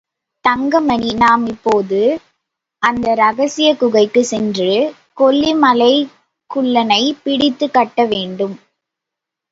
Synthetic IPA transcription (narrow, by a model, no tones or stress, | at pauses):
t̪ɐŋɡɐmɐɳinaːmɪpːoːðɯ | ʔɐnd̪ɐɾɐɣɐsɪjɐkʊɣɐɪkːɯsɛndrɯ | kɔlːimɐlɐɪ | kʊɭːɐnɐɪpɪɽɪt̪ːɯkːɐʈːɐʋeːɳɖɯm